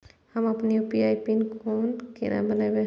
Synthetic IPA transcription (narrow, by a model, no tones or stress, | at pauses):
həmɐpniopiajpinkonkḭnʔa̰bənajbe